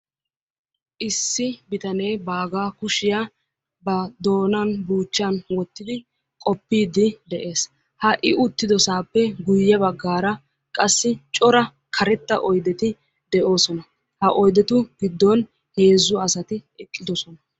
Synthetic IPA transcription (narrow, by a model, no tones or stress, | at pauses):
ʔɪsːɪbɪt̪ɐnejbaːɡaːkʊʃɪja | bɐd̪o̞ːnɐnbuːt͡ʃːɐnwɔt̪ːɪd̪ɪ | kʼɔpːiːd̪ɪd̪ɛʔe̞ːs | hɐʔɪʔʊt̪ːɪd̪ɔsaːpːɛɡʊjːɛbɐɡːaːɾɐ | kʼɐsːɪt͡ʃʼɔɾɐ | kʰɐɾɛt̪ːɐʔɔjd̪ɛt̪ɪ | d̪ɛʔo̞ːsɔnɐ | hɐʔɔjd̪ɛt̪ʊɡɪd̪ːɔn | he̞ːzːʊɐsɐt̪ɪɛkʼːɪd̪ɔsɔnɐ